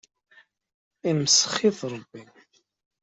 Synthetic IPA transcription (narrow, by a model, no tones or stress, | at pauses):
imsə̥χiðɾˤəbːi